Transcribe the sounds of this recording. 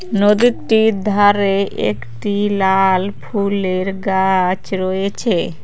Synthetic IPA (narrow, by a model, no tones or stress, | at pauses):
nod̪iʈid̪ʱaɾeʔḛkʈilalpʰuleɾɡat͡ɕɾɔjet͡ɕʰe